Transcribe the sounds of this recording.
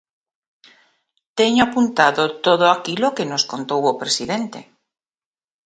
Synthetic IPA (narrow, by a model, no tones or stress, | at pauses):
t̪eɲoapunt̪aðot̪oðoakilokenoskont̪owopɾesiðent̪ḛ